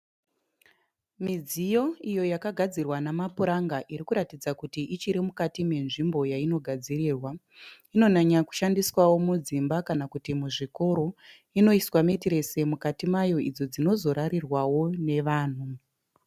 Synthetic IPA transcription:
mid͡zijo̞ijo̞jakaɡʱad͡zirwanamapuɾaŋɡaʔiɾikuɾatid͡zakutiʔit͡ʃiɾemukatime̞nʐimbo̞jaino̞ɡʱad͡ziriːrwa | ino̞naɲaku̥ʃandiswawo̞mud͡zimbakanakutimuʐiko̞ɾo̞ | ino̞iswame̞tiɾe̞se̞mukatimajo̞id͡zo̞d͡zino̞zo̞ɾaɾirwawo̞ne̞ʋaːn̤u

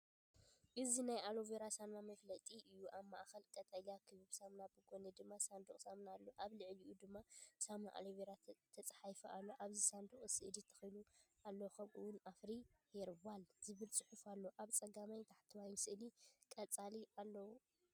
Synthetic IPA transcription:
ʔɨzinajʔaloveɾasamnamɐflɐt̪ʼiʔɨjːuʔaβma̰ʔxɐlkʼɐt̪ʼɐlakʰɨβɨβsamnabɨɡoned̪ɨmːasand̪uχʼsamnalːoʔaβlɨʕliʔud̪ɨmːasamaʔa̰loveɾat̪ʰɐt͡sʼħajfɐʔalːo̞ʔaβzisand̪uχʼɨsɨʔɨd̪it̪ʰɐ̥xɐjlu | alːokʰɐmʔɨ̰wʊnafɾihɛɾβalzɨβɨlsʼɨħufalːoʔaβt͡sʼɐɡamajt̪ʰaħt̪ʰɨwajmsʔɨlikʼɐt͡sʼalialːɐwu

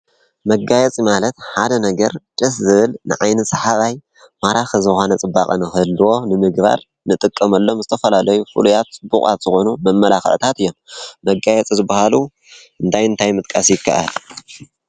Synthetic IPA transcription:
mɐɡajɛt͡sʼimalɐt̪ħad̪ɐnɐɡɐɾt͡ʃʼɨszɨβɨlnɨ̰ʕajnɨsɐħaβaj | maɾaxɐzɨxo̞nɐt͡sʼɨbːa̰kʼɐnɨxɨlːɨwo̞nɨmɨɡba̰ɾ | nɨt̪ʼɨkʼːɐmɐlːo̞mzɨt̪ʰɐfɐlalɐjufɨ̰lujat̪̚t͡sʼɨbːukʼa̰t̪z̥ɨxo̞numɐmːɐlaxɨ̰ʕt̪ʰat̪ɨjːo̞mmɐɡajɛt͡sʼizɨbːahalu | ʔɨnt̪ʰajɨnt̪ʰajmɨt̪̚ʼkʼasjɪkʰːa̰ʔal

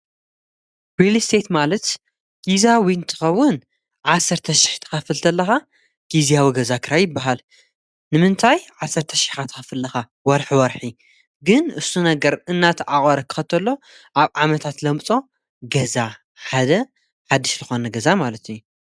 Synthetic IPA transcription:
wilist̪ʰet̪malɐt̪ | ɡ̥izawint̪ʰɨ̥xɐwːʊn | ʕasːɐɾt̪ʰɐʃɪ̥ħt̪ʰɨ̥xɐfɨlt̪ʰɐlːɐxa | ɡ̥izijawiɡɐzakʰɨɾajjɪbːaɦal | nɨmɨnt̪ʰajʕasːɐɾt̪ʰɐʃɪ̥ħat̪ʰɨ̥xɐfɨlːɐxa | wɔɾħwɔɾħi | ɡɨnɨsːunɐɡɐɾɨnːat̪ʰɐʔaχʼɐɾɐkʰɨ̥xɐt̪ʰɐlːo̞ | ʔaβʕamɐt̪ʰat̪lɐmt͡sʼo̞ | ɡɐza | ħad̪ɐ | ħad̪ːɨʃzɨxo̞nɐɡɐzamalɐt̪ʰɨjːu

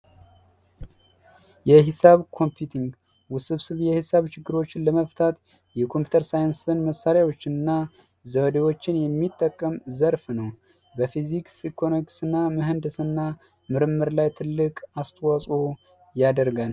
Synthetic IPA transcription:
jɛɦɪsaβkʰo̞mpʰjut̪ʰiŋɡ | wʊsɨβsɨβjɛhɨsaβt͡ʃɪɡːɨɾo̞t͡ʃːɪnləməft̪ʰat̪ | jɛkʰo̞mpʰju̥t̪ʰəɾsajɨnsɨnməsːaɾjawo̞t͡ʃːɪnɨnːa | zəwd̪ewo̞t͡ʃːɪnjɛmːit̪ʼːəkʼːəmzəɾfnəw | bəfiziksikʰonoksɨnːamɨɦɨnd̪ɨsɨnːa | mɨɾɨmːɨɾlajt̪ʰɨlːɨkʼast̪ʰʼwasʼo | jad̪əɾɡan

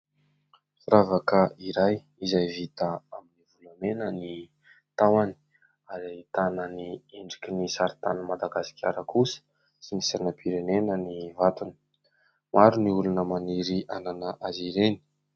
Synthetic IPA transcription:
fuɾavakəiɾaj | izajvit̪aaminivulamenəni | t̪awani̥ | aɾait̪anənieɳɖ͡ʐi̥kʲinisaɾit̪a̰nəmad̪aɡasi̥kʰʲaɾəkʰusə̥ | sinisanəpʰiɾenenənivat̪uni̥ | maɾuniulunəmaniɾiʔananəʔaziɾeni̥

